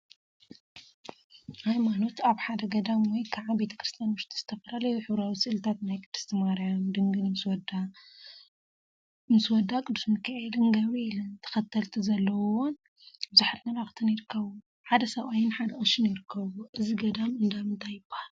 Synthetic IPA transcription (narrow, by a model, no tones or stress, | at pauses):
hajmano̞t̪aβħad̪ɐɡɐd̪amwɔjkʰaʕabe̞t̪ʰɐ̥kɾɨst̪ʰjanwʊʃt̪ʰi̥z̥ɨt̪ʰɐfɐlalɐjuħɨβɾawisɨʔɨlt̪ʰat̪najkʼɨd̪ːust̪ʰɨmaɾjamd̪ɨŋɡɨnmɨswɔd̪a | mɨswɔd̪ːakʼɨd̪ːusmɨkʰːaʕelɨnɡɐβiilɨnt̪ʰɐ̥xɐt̪ʰːɐlt̪ʰizɐlːɐwwon | bɨzaħt̪mɐlaxt̪ʰɨnjɪɾɨkʰːɐβu | ħad̪ɐsɐβajɪnħad̪ɐʔɐʃɪnjɪɾɨkʰːɐβuʔɨziɡɐd̪amɨnd̪amɨnt̪ʰajːɪbːahal